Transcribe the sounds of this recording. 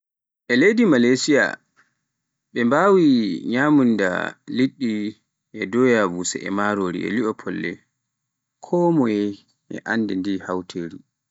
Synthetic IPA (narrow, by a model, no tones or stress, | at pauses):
ʔɛlejdimalajsia̰ | ɓɛmbawiɲaːmunda̰liɗːi | ʔɛdɔjavusɛ̰ʔɛ̰maɾoɾḭɛ̰liʔɔpʰɔlːɛ̰ | kʰɔːmɔjɛ | ɛ̰ʔandɛndihawtʰeːɾi